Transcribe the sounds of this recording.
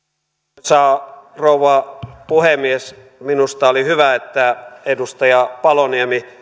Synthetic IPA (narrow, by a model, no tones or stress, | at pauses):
sɑːrouʋɑpuhemies | minust̪ɑolihyʋæet̪ːæedust̪ɑjɑpɑloniemi